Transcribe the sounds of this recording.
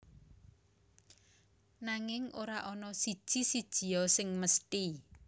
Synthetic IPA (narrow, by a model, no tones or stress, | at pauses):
naŋɪŋoɾaʔɔnɔsid̥ʒ̥i̤sid̥ʒ̥i̤ɔsɪŋməst̪i